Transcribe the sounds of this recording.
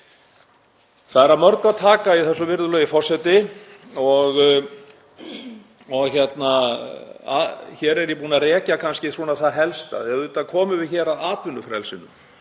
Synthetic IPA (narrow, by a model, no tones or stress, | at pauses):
θaðɛɾaðmœɾk̪aðt̪ʰaːkaiθɛsːʏvɪɾðʏlœːjɪfɔr̥sɛt̪ɪ | ɔɣ | ɔɣçɛt̪na | a̰çɛːɾɛɾjɛpuːnarɛːcakʰanscɪθuːnaθaðɦɛlst̪a̰ðɛðuːt̪akʰɔːmʏvɪðçɛːɾaðaːt̪vʏnːʏfɾɛlsɪnʏm